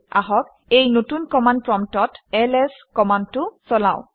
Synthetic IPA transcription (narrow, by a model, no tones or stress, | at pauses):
a̰ɦɔk | ejnotunkɔman̚pɹɔmtɔtɛlɛskɔmantʊsɔlaʊ̃